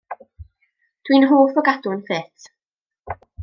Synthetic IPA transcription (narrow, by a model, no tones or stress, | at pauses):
d̥winɦoːfɔɡadʊnθɪθ